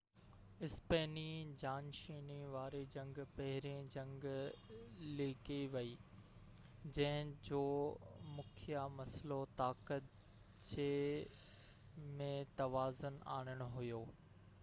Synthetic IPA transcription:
ɪspeːnid͡ʑaːnʃiːniʋaːɾed͡ʑɐ̃ŋɡpɐɦɪɾẽd͡ʑɐ̃ŋɡ | liːkiʋɐiː | d͡ʑɐ̃ɦɪ̃d͡ʑoːmʊkʰijamɐslot̪aːkət̪ | t͡ɕe | mẽt̪ɐʋaːzʊna̰ːɽ̃əɽ̃ʊɦʊjoː

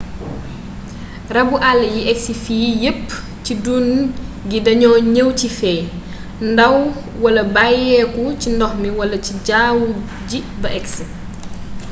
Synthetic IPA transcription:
rɐbuʔalːɐjiʔɛksifiːjəpː | cidun | ɡidɐɲɔːɲəwcifɛː | ndɐw | wɐlɐbajɛːkucindɔxmiwɐlɐciɟaːw | ɟi | bɐʔɛksi

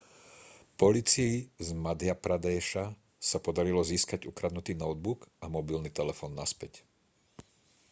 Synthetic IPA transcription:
pɔlit͡siizmad̪ɪapɾad̪ɛːʃa | sapɔd̪aɾilɔziːskaɟukɾad̪nut̪iːnɔʊd̪̚bukamɔbilnit̪ɛlɛfɔːnːaspɛc

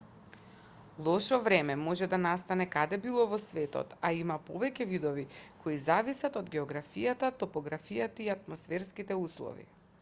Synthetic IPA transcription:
lˠɔʃɔvɾɛmɛmɔʒɛd̪anast̪anɛkad̪ɛbilˠɔvɔsvɛt̪ɔ̰t̪aimapɔvɛcɛvid̪ɔvikʰoizavisat̪ɔd̪ɡʲɛɔɡɾafijat̪at̪ɔpɔɡɾafijat̪aiat̪mɔsfɛɾskit̪ɛuslˠɔ̰vḭ

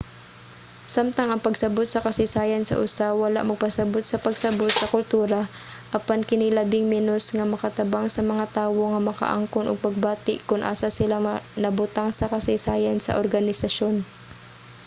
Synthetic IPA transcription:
samt̪ɐŋɐŋpɐɡsɐbot̪̚sɐkɐsɪsaːjansɐ̰ʔʊsawɐla̰ʔmɐɡ̚pɐsɐbot̪̚sɐpɐɡsɐbot̪̚sɐkʊlt̪uːɾa | ʔɐpankɪnɪlabɪŋmɛnosŋɐmɐkɐt̪ɐbaŋsɐmɐŋat̪aːwoŋɐmɐkɐ̰ʔa̰ŋkonʔoɡ̚pɐɡ̚baːt̪ɪʔkʊnʔa̰ːsasɪlanɐbʊt̪aŋsɐkɐsɪsaːjɐnsɐ̰ʔoɾɡɐnɪsɐʃo̞n

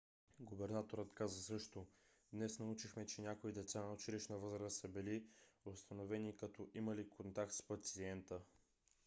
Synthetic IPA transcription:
ɡʊbɛɾnat̪oɾət̪kazəsɤʃt̪o | d̪nɛsnɐut͡ʃixmɛt͡ʃɛnʲakoid̪ɛt̪sanɐot͡ʃiliʃnɐvɤzɾəsəbiliost̪ɐnovɛnikɐt̪ɔʔimɐlikʰont̪ak̚t̪spɐt̪siɛnt̪ə

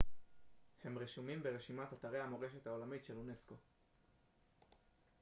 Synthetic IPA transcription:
he̞mʁiʃumimbe̞ʁeʃimat̪at̪aʁeamo̞ʁe̞ʃe̞t̪hao̞lamitʃe̞lune̞sko̞

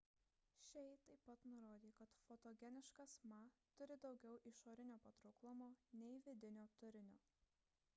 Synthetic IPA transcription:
ʃʲɛɪt̪ɐɪpːɐt̪nʊɾoːd̪ʲiːkɐt̪fot̪oːɡʲɛnʲɪʃkɐsmɐt̪ʊɾʲɪd̪ɒʊɡʲɛʊʔɪʃoːɾʲɪnʲoːpɐt̪ɾʊklˠʊmoːnʲɛɪʋʲɪd̪ʲɪnʲoːt̪ʊɾʲɪnʲoː

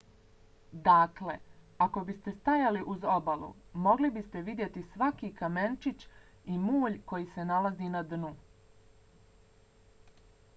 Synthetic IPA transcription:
d̪akle̞ | ako̞bist̪e̞st̪ajaliʔuzo̞balṵmo̞ɡlibist̪e̞ʋid̪je̞t̪isʋakikame̞nt͡ʃit͡ɕ | imuːʎko̞jiːse̞nalazinad̪nu

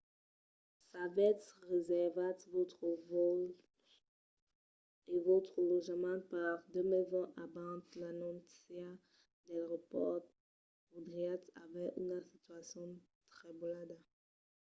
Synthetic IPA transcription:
savɛt̪ʁezɛʁvat̪votv | evot̪χəlɔʒmãpaʁd̪əmezɔ̃ʔabãt̪lanɔ̃sja | d̪alʁɔpɔʁt̪ | od̪ʁiat̪a̰vɛʔy̰nasit̪yasjɔ̃ | t̪χɛbolad̪a

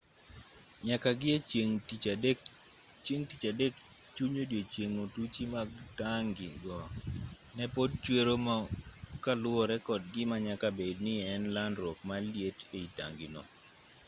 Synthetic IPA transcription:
ɲakaɡɪeŋdkt͡ʃeŋtit͡ʃadek | t͡ʃuɲodjet͡ʃjeŋotut͡ʃimaɡtaŋɡɪɡɔ | nɛpod̚t͡ʃweɾomakalwɔɾɛkɔdɡɪmaɲakabednɪɛnlandɾɔkmaljeteita̰ŋɡɪnɔ̰

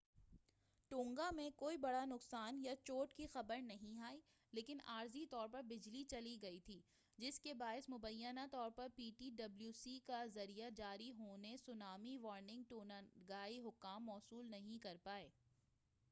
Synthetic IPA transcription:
ʈõːŋɡamẽkoːibɐɽanʊqsaːnjat͡ʃoːʈkixɐbəɾnɐɦĩaːi | leːkɪnaːɾzit̪ɔːɾpɐɾbɪd͡ʒlit͡ʃɐliɡɐit̪ʰiː | d͡ʒɪskebaːɪsmʊbəjːənat̪ɔːɾpɐɾpiːʈiːɖɐbljuːsikazɐɾijad͡ʒaːɾiɦoːnesʊnaːmiʋɔːɾnɪ̃ŋɡ̚ʈoːnaɡaːiɦʊkːaːmːɔːsuːlnɐɦĩkɐɾpaːeː

